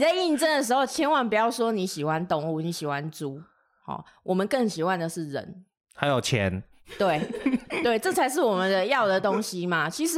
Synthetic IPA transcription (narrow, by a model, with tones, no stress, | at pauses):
n˨˩t͡sa˥˧ɪi˥˩nʈ͡ʂə˥˩nd̪ə˩ʂ̬ɻ̩˧˦xo˥˧ʊt͡ɕʰjɛ˦˥nwa˧˥˦npu˨˩˥jɑ˥˩ʊswɔ˦ni˨˦ɕi˨˩xwa˦nt̪ɔ˧˦ŋu˥˩ni˨˦ɕi˨˩hwa˦nʈ͡ʂu˦ | hɔ̰˨˩ | wʔɔ˨˩mə˨˦nkə˥˩ŋɕi˨˩xwa˥˦nd̪ə˨ʂɻ̩˥˩ɻə̰˧˦n | ha˧˦ɪjo˨˩ʊt͡ɕʰjɛ̰˧˦n | t̪we˥˩ɪt̪we˥˩ɪʈ͡ʂɤ˥˨˩t͡sʰa˧˥ɪʂ̬ɻ̩˥˩wɔ˨˩mə˦nd̪ə˦jɑ˥˨ʊd̪ə˨˩t̪o˦˥ŋɕi˦ma˨t͡ɕʰi˧˥ʂ̬ɻ̩˧